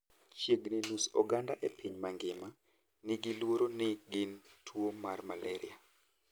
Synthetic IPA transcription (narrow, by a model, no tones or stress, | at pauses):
t͡ʃjeɡnɪnusɔɡandaʔepʰiɲmaŋɡɪma | nɪɡɪlwoɾonɪɡɪntʰwomarmalɛɾɪ̰a